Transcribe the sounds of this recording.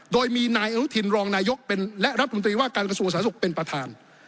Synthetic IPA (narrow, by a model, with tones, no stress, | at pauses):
doː˧jmiː˧naː˧jʔa˧nu˦˥t̪ʰi˧nɾɔː˧ŋnaː˧jo˦˥k̚pe˧nlɛ˦˥ʔɾa˦˥t̪ʰːo˧nt̪ɾiː˧waː˥˩kaː˧nkɾa˧su˧əŋsaː˩˦su˨˩k̚pe˧npɾa˧t̪ʰaː˧n